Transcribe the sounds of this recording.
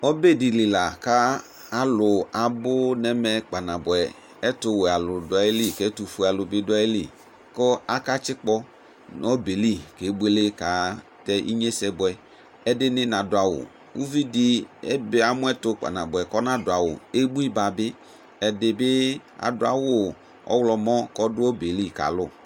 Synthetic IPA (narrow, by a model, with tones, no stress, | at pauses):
ɔ˦be˦˨di˨li˨la˨ka˦ | a˦lʊ˨a˨bʊ˦nɛ˨mɛ˨k͡pa˨na˨bʊ˨ɛ˨ | ɛ˦tʊ˦we˨a˨lʊ˨dʊ˨a˨e˦li˦˨kɛ˦tu˨fu˦a˨lʊ˨bɪ˦dʊ˦a˦e˦lḭ˦˨ | kɔ˦a˦ka˦t͡ʃɪ˦k͡pɔ˦ | nɔ˦be˨li˦˨ke˨˦bʊ˦e˦le˦ka˨˦tɛ˦ʔḭ˦ɲe˦sɛ˦bʊ˨ɛ˨ | ɛ˦dɪ˦nɪ̃˦nã˨dʊ˨˦a˨wʊ̰˨ | u˦vi˦dɪ˦ɛ˦bɪ˨a˨mʊ˦ɛ˦tʊ˦k͡pa̰˨na˨bʊ˨ɛ˨kɔ˦nã˦dʊ˨a˨wʊ̰˨e˦bu˦i˦ba˨bɪ˦ | ɛ˨dɪ˨bɪ˦a̰˨dʊ˦a̰˨wʊ˦ | ɔ̰˦wlɔ˨mɔ̃˦kɔ˦dʊ˦ɔ˦be˨li˦˨ka̰˨lʊ˦˨